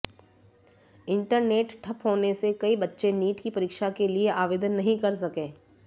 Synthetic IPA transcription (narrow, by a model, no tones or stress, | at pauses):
ɪ̃ɳʈəɾneːʈʈʰɐpɦoːnesekɐibɐtːʃeniːʈkipɐɾiːkʃakelieʔaːʋeːd̪ənːɐɦĩkɐɾs̬ɐkẽː